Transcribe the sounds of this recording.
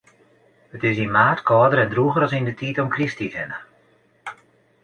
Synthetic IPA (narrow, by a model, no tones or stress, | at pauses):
ətɪs̬imaːtkʰɔːdəɾɛndruɣəɾɔsindətʰitɔmkristizɛnə